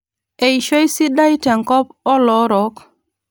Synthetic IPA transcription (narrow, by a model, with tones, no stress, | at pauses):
e˨jʃo˦i˦si˦da˦i˦ta˨ŋkɔ˦pɔ˦lɔ˨˦ɾɔ˨˦k